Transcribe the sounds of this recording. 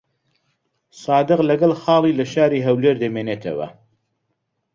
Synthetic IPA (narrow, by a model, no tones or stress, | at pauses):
sɑːd̪ɨqlɐɡɐlˠxɑːlˠiːlɐʃaːɾiɦɐwleːɾd̪ɐmeːneːt̪ʰɐ̰wɐ̰